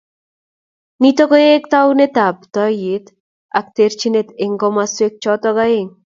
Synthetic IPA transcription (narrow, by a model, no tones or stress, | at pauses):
nit̪ɔɡɔekt̪awnet̪apt̪ɔjɪt̪ | ak̚t̪eɾt͡ʃinet̪eŋɡɔmaswek̚t͡ʃɔt̪ɔɡaeŋ